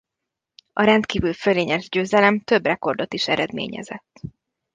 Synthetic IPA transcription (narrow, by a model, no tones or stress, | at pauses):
ɒɾɛnt̪kiːvylføleːɲɛʒɟøːzɛlɛmt̪ø̞brɛko̞rd̪o̞t̪iʃɛɾɛd̪mḛːɲɛ̰zɛt̪ː